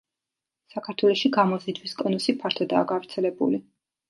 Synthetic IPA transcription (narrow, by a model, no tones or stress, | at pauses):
sakʰaɾt̪ʰwɛlˠɔʃiɡamɔzid̪wiskʼɔnusipʰaɾt̪ʰɔd̪a̰ːɡavɾt̪sʰɛlɛbṵli